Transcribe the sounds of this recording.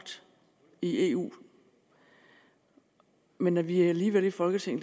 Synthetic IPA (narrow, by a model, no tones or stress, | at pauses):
d̥ | ie̝ːṵː | menæʋiææliːʋelifɒ̽lɡ̥ət͡sʰe̝ŋ̰n̩